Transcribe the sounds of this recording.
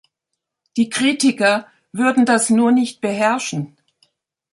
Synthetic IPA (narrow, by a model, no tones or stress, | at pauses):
d̥iːkʁ̥iːtɪkɐ | vʏɐdn̩dasnuːɐnɪçt̚b̥əɦɛɐʃn̩